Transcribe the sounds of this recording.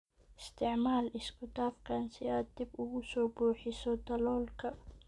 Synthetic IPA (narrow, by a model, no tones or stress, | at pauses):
ʔɪst̪ʰɪʕmaːlɪskʊd̪aːfkʰansɪaːd̪ibʊɣʊsɔːbuːħɪsɔd̪ɐlɔːlkʰɐ